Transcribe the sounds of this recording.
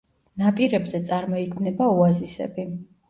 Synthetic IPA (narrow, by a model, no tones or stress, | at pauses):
napʼiɾɛbzɛt̪sʼaɾmɔiɡʰmnɛbauazisɛ̰bi